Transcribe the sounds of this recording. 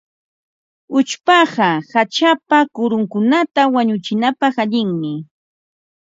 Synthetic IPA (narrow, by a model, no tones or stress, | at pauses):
ʊt͡ʃpɑɢɑhat͡ʃapakʊɾʊŋkʊnat̪awaɲʊt͡ʃɪnapɑχaʎɪŋmɪ